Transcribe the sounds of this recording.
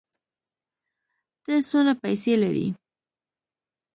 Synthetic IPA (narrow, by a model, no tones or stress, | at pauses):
d̪̥əsonapajselaɾḭ